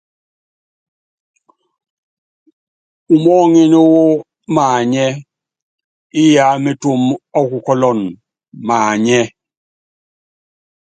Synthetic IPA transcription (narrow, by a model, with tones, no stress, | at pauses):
u˨mɔː˦ŋe˦ne˦wo˦ | maː˨ɲɛ˦ | i˦ja˨˦me˦tu˦˨mɔ˦ku˨kɔ˦lɔ˨n | maː˨ɲɛ˦